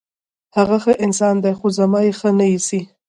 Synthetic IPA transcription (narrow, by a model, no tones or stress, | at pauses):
haɣaxəʔɪnsɑnd̪ajxozamɑjexənajisi